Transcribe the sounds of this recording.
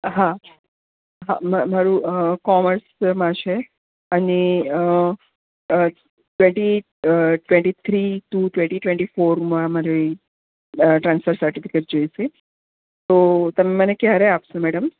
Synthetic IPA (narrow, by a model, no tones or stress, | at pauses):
ɦa | ɦa̰mamaɾũkɔməɾsmãt͡ʃʰe | əneə | ʈʋẽɳʈi | ʈʋẽɳʈit̪ʰɾiʈuʈʋẽɳʈiʈʋẽɳʈifoɾmãmaɾi | ʈɾãnsfəɾsəɾʈifikeʈd͡ʒojse | t̪ot̪əmemənekjaɾeapsẽmɛɽəm